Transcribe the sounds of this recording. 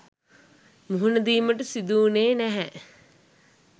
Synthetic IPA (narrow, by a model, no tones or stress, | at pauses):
muɦunəd̪iːməʈəsid̪uːneːnæɦɛ